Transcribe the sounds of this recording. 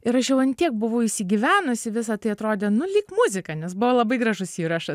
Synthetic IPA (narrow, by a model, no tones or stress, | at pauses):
ɪɾɐʃjɛʊɐnʲt̪ʲiɛk̚bʊʋɐʊɪʃʲsʲɪɡʲiʋʲæːnʊsʲɪʋʲɪsɐt̪ɐɪɐt̪ɾoːd̪ʲeːnʊlʲiːkmʊzʲɪkɐnʲɛsbʊʋoːlˠɐbɐɪɡɾɐʒʊssiːɾɐʃɐ